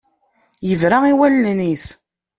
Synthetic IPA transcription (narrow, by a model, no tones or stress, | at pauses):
jəvɾaiwælnnis